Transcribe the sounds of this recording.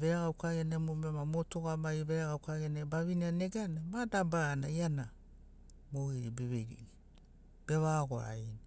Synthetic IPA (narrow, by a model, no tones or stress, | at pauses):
βeaɡaukaɡenemomemamotoɡamaiβeaɡawkaɡenebaβinianeɡanamadabanajana | moɡiɾibeβeɾḭi | b̥eβaɡoa̰in